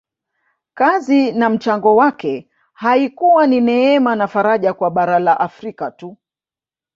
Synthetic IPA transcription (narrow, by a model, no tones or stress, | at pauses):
kazinam̩t͡ʃaŋɡɔwakɛ | haikuwaninɛɛmanafaɾaʄakwaɓaɾalaʔafɾikatu